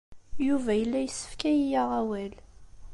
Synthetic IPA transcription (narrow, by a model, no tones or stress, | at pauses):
juvæjəlːæjəsːə̥fkæjijaʁæwæl